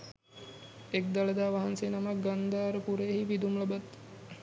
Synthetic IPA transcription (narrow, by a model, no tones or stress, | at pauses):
ek̚d̪aləd̪aːʋaɦansenamak̚ɡand̪aːɾəkuɾejɦiʋid̪umlɐbat̪